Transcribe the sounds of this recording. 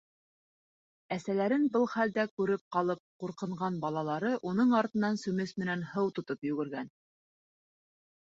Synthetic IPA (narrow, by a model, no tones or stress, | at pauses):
æsælæɾɘnbɤlˠχæld̪ækʉɾɘp̚qɑlˠɤp̚quɾqɤ̆ɴʁɑnbɑlˠɑlˠɑɾɤʔunɤɴɑɾt̪ɤ̆nːɑnsʉ̆mɘsmɘ̆nænhɤwt̪ŏt̪opjʉ̆ɡɘ̆ɾɡæn